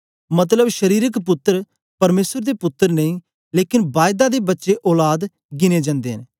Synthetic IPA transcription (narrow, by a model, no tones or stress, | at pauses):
mət̪̬ləbʃəɾiːɾəkpʊt̪ːəɾ | pəɾmeːsəɾd̪eːpʊt̪ːəɾnəĩː | leːkɪnbaːjd̪aːd̪eːbətːʃeʔɔːlaːd̪ | ɡɪneːd͡ʒãːnd̪eːɦə̰n